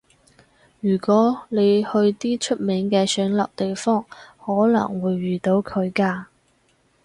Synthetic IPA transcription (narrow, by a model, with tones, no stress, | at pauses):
jyː˨˩kʷɔː˨˥ne˨˧jhɵ˧ɥt̪iː˥t͡ʃʰɵ˥t̚mɛː˨˥ŋkɛː˧sœː˨˥ŋlɐ̰˨p̚t̪e˨jfɔː˥ŋhɔː˨˥lɐ̰˨˩ŋwuː˨˧jːyː˨˩t̪o˨˥wkʰɵ˨˧ɥkaː˧